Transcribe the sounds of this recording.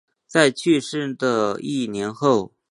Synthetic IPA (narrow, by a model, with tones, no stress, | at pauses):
t͡sa˥˧ɪt͡ɕʰy˥˧ʂɻ̩˥˩d̪ə˩i˥˩njɛ˧˥nxo˥˩ʊ